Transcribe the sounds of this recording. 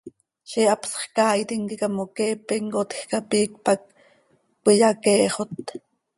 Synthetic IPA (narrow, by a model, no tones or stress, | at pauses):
ʃiʔɑpsχkɑːjt̪iŋkikɑmokɛːpiŋkot̪xkɑpiːk̚pɑk̚ | pʷijɑkɛːχot̪